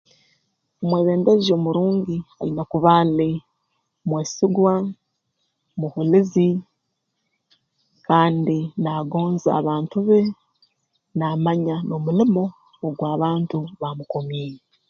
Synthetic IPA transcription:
omweːβe̞ːndezio̞ːmuɾuːɲɟia̰inakuβaːle | mweːsiɡwa | muhulizi | kaːndinaːɡo̞ːnza̰ːβaːntuβe̞ | naːmaɲano̞mulimo̞ː | ɡwaːβaːntuβamuko̞miːje

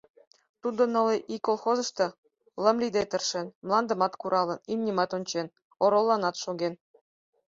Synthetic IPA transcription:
t̪ud̪ɤ̆nɤ̆lʲɤʔikːolˠxozɤ̆ʂt̪ɤ̆ | lˠɤ̆mlʲid̪ʲet̪ʲɘ̆rʂɘ̆nmlˠɑnd̪ɤ̆mɑt̪kuɾʔɑlˠɤ̆nimnʲimɑt̪ŏnʲt͡ɕen | ŏɾŏlˠːɑnɑt̪ʃuɡʲen

